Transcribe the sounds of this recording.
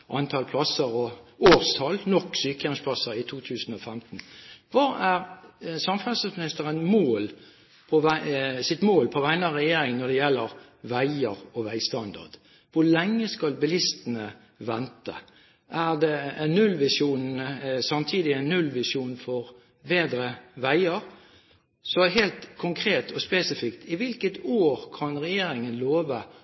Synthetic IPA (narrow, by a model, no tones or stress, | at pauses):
ʔɑnt̪ʰɑlpʰlɑsəɾɔoːʁst̪ʰɑlnɔkːsyːkəɛmspʰlɑsəɾɪt̪ʰuːt̪ʰʉːsən̩ɔfɛmt̪n̩ʋɑæʁsɑmfɾʉnsəsmɪnɪst̪əʁənmoːl | pʰɔʋæsɪt̪moːlpʰɔʋæɪnəɑʁɛjeːɾɪŋnɔd̪ɛjɛlːəɾ | ʋæɪəɾɔʋæɪst̪ɑnd̪ɑ̰ʁd̪̥ | ʋʊlɛŋːəskɑlbɪlɪst̪ənə | ʋɛnt̪ə̰ | ʔæɾd̪ɛnːʉlʋɪʂuːnəsɑmt̪ʰiːd̪ɪæɪnːʉlʋɪsuːnfɔɾ | beːd̪ɾəʋæɪəɾ | sɔɦeːlt̪kʰʊŋkʰɾeːt̪ʰɔspeːsɪfɪkt̪ɪʋɪlkət̪ʰoːɾkʰɑnɾɛjeːɾɪŋənloːʋə